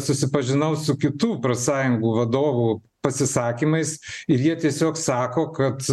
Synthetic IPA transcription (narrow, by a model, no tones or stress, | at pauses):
sʊsʲɪpɐʒʲɪnɐʊsʊkʲɪt̪uːpɾɐsɑːjʊŋɡuːʋɐd̪oːʋuː | pɐsʲɪsɑːkʲiːmɐɪsɪɾjiɛt̪ʲiɛsʲoːksɑːkoːkɐt̪